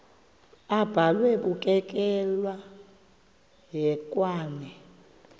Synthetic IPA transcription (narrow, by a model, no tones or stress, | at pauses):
ab̥ʱalwɛɓukʼɛk̬ʼɛlwa | ɦɛkʼwaːnɛ